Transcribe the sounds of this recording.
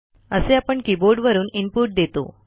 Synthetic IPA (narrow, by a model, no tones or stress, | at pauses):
əseapəɳkiboɾɖʋəɾuːnimpuɾʈ̚d̪et̪o̰